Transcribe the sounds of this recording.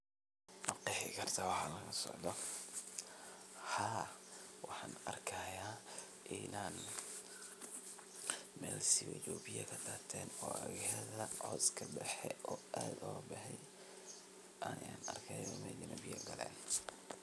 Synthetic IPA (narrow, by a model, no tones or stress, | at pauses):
nɑqiħɪkʰɐrt̪ʰɐwɑħɑːnlɐɣɐsɔ̰ʕd̪ɔ | haːwɑħɑːnɐrkʰɐjaː | ʔɪnaːn | mɛːlsɪwɐ̰jɔbɪjɐkʰɐd̪aːt̪ʰɛːnɔːʔɐɣɪjɐðɐʕɔːskʰɐbɛħɛʔɔːaːd̪ɔːbɐħɛj | ʔaːjaːnɐrkʰɐjɔmɛlɪnɐbɪjɐɡɐlɛ̰ːn